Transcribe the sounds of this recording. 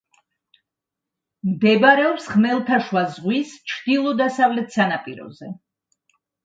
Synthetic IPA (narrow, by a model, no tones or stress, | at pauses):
md̪ɛbaɾɛɔpsχmɛlˠt̪ʰaʃwazʁwist͡ʃʰd̪̥ilˠɔd̪asavlɛt̪ʰsanapʼiɾɔ̰zɛ